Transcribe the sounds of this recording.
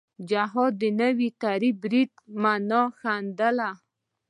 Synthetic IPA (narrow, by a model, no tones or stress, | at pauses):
d͡ʒaɦɔd̪ːənəwit̪aɾibɾid̪manɑxand̪əla